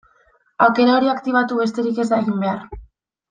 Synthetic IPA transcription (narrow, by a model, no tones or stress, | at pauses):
awke̞ɾao̞ɾiakt̪iβ̞at̪uβe̞st̪e̞ɾike̞zd̪aɣimbe̞ar